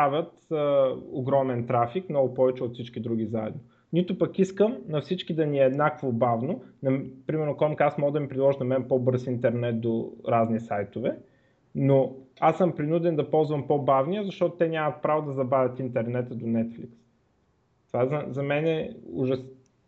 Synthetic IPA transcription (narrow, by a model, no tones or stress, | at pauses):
avʲət̪əoɡɾɔmɛnt̪ɾafikmnɔɡʊpɔvɛt͡ʃɛot̪fsit͡ʃkid̪ɾuɡ̟izaɛ̰d̪no | nit̪opɐkiskəmnɐfsit͡ʃkid̪ɐniɛːd̪nakovobavnonɐpɾimɛɾnokɔmkasmɔɡd̪ɐmipɾidlˠɔʒinɐmɛnpɔbɤɾsint̪ɛɾnɛt̪̚d̪oɾaznisajt̪ovɛ | noasːəmpɾinud̪ɛnd̪ɐpɔlˠzvɐmpobavnijəzɐʃt̪ɔt̪ot̪ɛnʲamət̪̚pɾavod̪ɐzɐbavʲɐt̪int̪ɛɾnɛt̪əd̪onɛt̪fliks | t̪ovaɛzɐzɐmɛnɛʊ̰ʒɐs